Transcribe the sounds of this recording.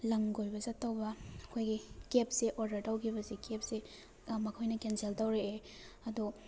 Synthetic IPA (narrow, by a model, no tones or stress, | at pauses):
lɐŋɡojbɐzɐtːɐwbɐɐkʰojɡikep̚siʔɔɾdɐɾtɐwkʰibɐzikep̚si | mɐkʰojnɐkenseltɐwɾeː | ɐdu